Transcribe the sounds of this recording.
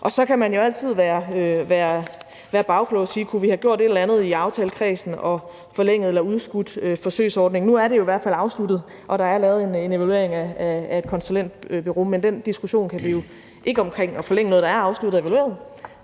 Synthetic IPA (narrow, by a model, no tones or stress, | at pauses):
ʔɒ̽sɒ̽kʰæmænjo̝æl̰t͡sʰið̞̰ˠʋæːɐøʋæːɐ | ʋæːɐb̥ɑ̈ʊkʰlɔʊsiːkʰuʋihɑɡ̥jo̝ɐ̰ɾe̝ɾlænð̞̩ˠiɑ̈ʊt͡sʰɛːləkʰʁɛːsn̩ɒ̽ | fɒ̽leŋ̰ð̩ˠelɐuð̞ˠsɡ̥ud̥øfɒ̽sø̰ɪsɒːd̥ne̝ŋnuæɐɾe̝jo̝iʋæɐ̰d̥fæl̰ɑ̈ʊslud̥ð̞̩ˠ | ʔɒ̽ɾ̥ɑ̈æɐlɛːʊðˠenene̝ʋælue̝ɐe̝ŋææe̝d̥̚kʰɒ̽nsulen̰d̥b̥yʁo̝ːmend̥end̥isɡ̥uɕo̝̰ːnkʰæʋijo̝ | ʔe̝ɡ̥əɒ̽mkʰʁeŋ̰ɒ̽fɒ̽leŋ̰ənɔːðˠdɑæɐɑ̈ʊslud̥ð̩ˠe̝ʋælue̝̰ːɐðˠ